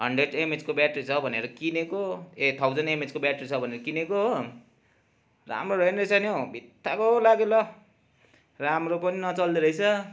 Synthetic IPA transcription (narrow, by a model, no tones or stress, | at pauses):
ɦʌɳɖreɖemed͡zkobaʈrit͡sʰʌbʱʌneɾʌkinekoet̪ʰawd͡zʌnemed͡zkobjaʈrit͡sʰʌbʱʌneɾʌkineko | ra̰mroɾʌjnrʌjsʰanjobʱit̪ːakoɦolaɡelʌ | ramropʌninʌt͡sʌld̪iɾʌjt͡sʰʌ